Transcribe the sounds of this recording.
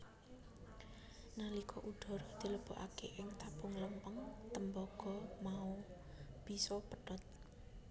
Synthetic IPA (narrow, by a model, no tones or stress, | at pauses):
nalikʰɔʔuɖ̪̥ɔ̤ɾɔd̪̥i̤ləb̥o̤ʔakeʔɪŋt̪ab̥ʊŋləmpəŋt̪əmbɔɡ̥ɔ̤mau | b̥isɔpəɖ̥ɔt̪̚